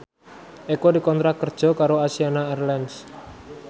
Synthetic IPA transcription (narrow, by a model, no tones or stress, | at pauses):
ʔekodikɔnt̪ɾak̚kərd̥d͡ʒ̥ɔ̤kaɾoasianaɛrlɛns